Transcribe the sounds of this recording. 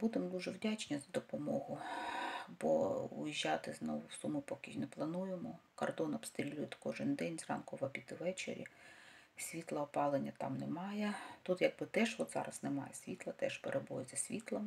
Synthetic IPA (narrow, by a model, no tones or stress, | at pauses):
bud̪emd̪uʒɛwdʲat͡ʃnʲizɐd̪ɔpɔmɔɦʊ | bɔ̰ʊ̰jiʒʲːɑt̪ɪznɔʋʊwsumʊpɔkʲiʃnɛplˠɐnujemɔkɔrd̪ɔnɐpst̪ɾʲilʲujɪt̪ʲkɔʒɪnd̪ɛnʲzrɑ̰nkʊʋɐbʲit̪ɪʋɛt͡ʃḛɾʲḭ | sʲʋʲit̪lˠɐɔpɑlˠenʲːɐt̪ɑ̰mnɛmɑjɛt̪ut̪jɐɡ̚bɪt̪ɛʒʋɔd̪zɑ̰ɾɐznɛmɑ̰jɛsʲʋʲit̪lˠɐt̪ɛʃpeɾʔebɔzʲɐsʲʋʲit̪lˠɐm